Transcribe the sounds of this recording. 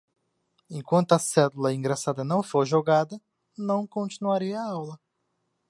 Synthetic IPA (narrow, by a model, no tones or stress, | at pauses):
ẽkwɐ̃nt̪ʊɐsɛlulɐĩɡɾasad̪ɐnɐ̃w̃foɾʒoɡad̪ɐ | nɐ̃w̃kõnt͡ʃinuaɾiɐːawlɐ